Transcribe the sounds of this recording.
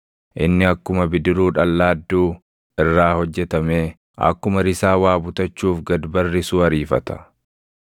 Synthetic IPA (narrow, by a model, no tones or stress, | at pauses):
ʔɪnːɪɐkːʊmɐbɪd̪ɪɾuːᶑɐlːaːd̪ːuː | ʔɪrːaːhɔd͡ʒːɛt̪ɐmeː | ʔɐ̰kːʊmɐɾɪsaːwaːbʊt̪ɐt͡ʃːuːfɡɐd̪bɐrːɪsuːɐɾiːfɐt̪ɐ̥